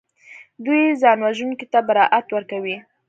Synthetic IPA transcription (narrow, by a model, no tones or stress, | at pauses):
d̪ujzɑnwaʒuŋkit̪abaɾɑʔat̪wəɾkawi